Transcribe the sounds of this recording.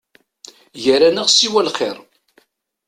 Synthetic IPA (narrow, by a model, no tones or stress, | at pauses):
jəɾænəʁsiwælχɪɾˤ